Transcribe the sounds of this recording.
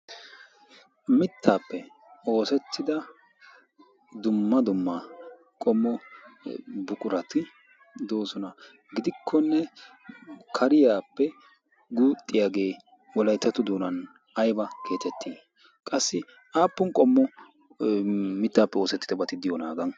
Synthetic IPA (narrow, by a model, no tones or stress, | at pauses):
mɪt̪ːaːpːɛ | o̞ːsɛt̪ːɪd̪ɐ | d̪ʊmːɐd̪ʊmːa | kʼɔmːɔ | bʊkʼʊɾɐt̪ɪ | d̪oːsɔnɐ | ɡɪd̪ɪkʰːɔnːɛ | kʰɐɾɪjaːpːɛ | ɡuːt̪ʼːɪjaːɡe̞ː | wɔlɐjt̪ːɐt̪ʊd̪uːnɐn | ɐjbɐkʰe̞ːt̪ɛt̪ʰːiː | kʼɐsːɪ | aːpːʊnkʼɔmːɔ | mɪt̪ːaːpːɛo̞ːsɛt̪ːɪd̪ɐbɐt̪ɪd̪ɪjɔna̰ːɡɐn